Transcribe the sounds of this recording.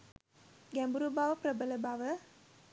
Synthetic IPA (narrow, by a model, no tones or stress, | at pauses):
ɡæmbuɾubaʋəpɾəbələbaʋə